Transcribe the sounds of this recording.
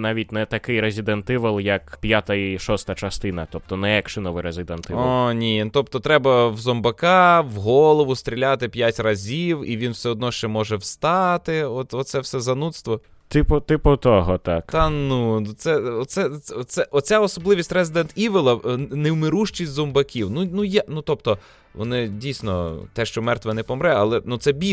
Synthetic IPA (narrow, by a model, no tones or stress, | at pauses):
nɑʋʲit̚ʲnɛt̪ɐkɪjɾezʲid̪ent̪ɪʋɐlˠjɐkpʲjat̪ɐiʃɔst̪ɐt͡ʃɐst̪ɪnɐt̪ɔp̚t̪ɔnɛɛkʃɪnɔʋɪɾezʲɪd̪ɛnɪʋɔnʲit̪ɔpt̪ɔt̪ɾɛbɐwzɔmbɐkɑwɦɔlˠɔʋʊst̪ʲɾʲilʲat̪ɪpʲjatʲrɐzʲiwḭʋʲinwsʲɛɔd̪̚nɔʃt͡ʃɛmɔʒɛwst̪ɑt̪ɪɔt̪ɔt̪sɛwsɛzɐnut̪st̪ʋɔ | t̪ɪpɔt̪ɪpɔt̪ɔɦɔt̪ɑ̰kt̪nusɛɔt̪sɛɛɔsɛʔɔt͡sʲaɔsɔblˠɪʋʲisʲtʲrɛzɪd̪ɛnt̪iʋɪlˠɐnewmɪɾuʃt͡ʃisʲtʲzɔmbɐkʲiwnunujanut̪ɔpt̪ɔ | ʋɔ̰nɪdʲijsʲnɔ̰t̪ɛʃt͡ʃɔmɛrt̪ʋɛnɛpɔmɾɛɐlˠɛnut̪sɛbʲi